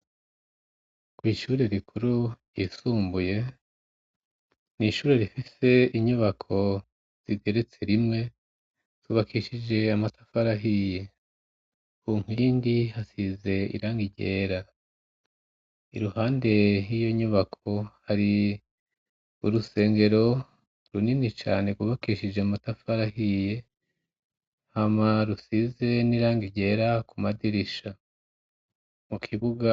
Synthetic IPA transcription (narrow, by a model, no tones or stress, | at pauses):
kwiːʃuːɾe̞ɾikʰuɾu̥jiːsuːmbuje̞ | niʃuːɾe̞ɾifise̞iɲuβakʰo̞ | z̥iɡɡe̞ɾet͡se̞ɾimŋe̞ | tuːβakiʃid͡ʒe̞amatḁfaɾaɦije | huːŋ̥iːndihasize̞ḭɾaːŋɡiɟe̞ːɾa | ḭɾuhaːnde̞hijo̞ɲuβakʰo̞haɾi | ṵɾuse̞ːŋɡe̞ɾo̞ | ɾuninit͡ʃa̰ːne̞ɡwuβakiʃid͡ʒematafaɾahije̞ | hamaɾusize̞niɾaːŋɡiɟe̞ːɾakumadiɾiʃa | mukʰiβuɡa